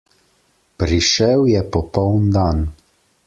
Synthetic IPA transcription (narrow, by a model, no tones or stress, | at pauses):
pɾiʃɛwjɛpɔpɔwnd̪an